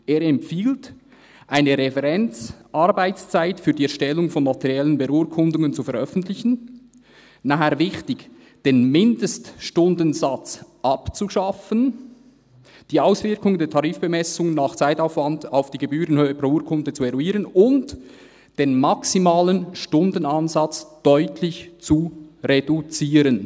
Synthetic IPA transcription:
ʔeːɾɛmpfiːlt | ʔaɪnəʁɛfɛʁɛnt͡sʔɑrbaɪt͡st͡saɪtfyːdiːɛɾʃtɛlːʊŋfɔnmatɛʁjɛlənbəʔuːɹkʰʊndʊŋənt͡sufɛɾʔœfən̩tlɪçn̩ | naɦɛːɐvɪçtɪç | d̥eːnmɪndəstʃtʊndənzat͡sʔɑpt͡suʃɑfən | d̥iːaʊsv̥ɪɾkʊŋdeːɐtʰɑʁiːfb̥əmɛsʊŋənːaχt͡saɪtaʊfv̥ɑndaʊfd̥iːɡ̥ebyːɾənhøːəprouːkʰʊndət͡suɛɾuiːɾənʊnt | d̥eːnmaksimaːlənʃtʊndən̩anzɑt͡sd̥ɔʏtʰlɪçt͡suʁedut͡siːɾən

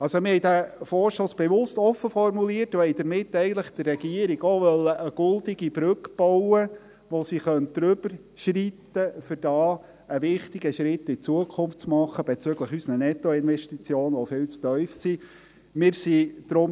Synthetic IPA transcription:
ɑlsomɪhɛjdæfɔːɾʃosb̥ɛʋʊstɔfəfɔrmuliːərtohɛɪd̥̪əɾmɪt̪ːɛɪɡən̩tləχd̪̥ərrɛɡ̥iəɾiɡoːʋœlːəʔəɡ̥ɵld̪ɪɡ̥ib̥ɾʏkb̥ɔwə | ʋosiχœnt̚d̥̪ɾʏb̥əɾ | ʃrit̪əfʏɾd̥ɑː | əʋɪχt̪ɪɡəʃɾɪt̪ːɪt͡suəkʰʊmft͡smɑχːəb̥ɛt͡søɡləχysnənɛt̪ːɔɪnʋɛʃtit͡sjoːnʋofɪːlt͡st̪œʏfsi | mɪːɾsid̥ɾʊm

